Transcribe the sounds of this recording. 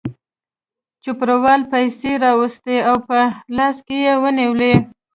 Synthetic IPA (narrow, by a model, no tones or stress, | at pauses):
t͡ʃʊpɾawɑlpajseɾɑwəst̪eawpəlɑskejewəniwle